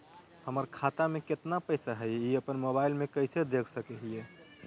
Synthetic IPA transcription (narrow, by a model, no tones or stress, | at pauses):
həməɾkʰat̪ameket̪napəɪsaɦəjiəpənmobaɪlmekəɪsed̪ekʰsəkeɦie